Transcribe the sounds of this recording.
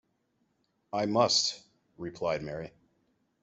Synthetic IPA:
aɪmʌst | ɹipʰl̥aɪd̚mɛɹi

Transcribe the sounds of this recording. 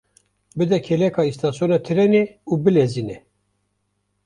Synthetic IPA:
bɨd̪ɛkʰelɛkʰɑːist̪ʰɑːsjonɑːt̪ʰɨɾɛneuːbɨleziːnɛ

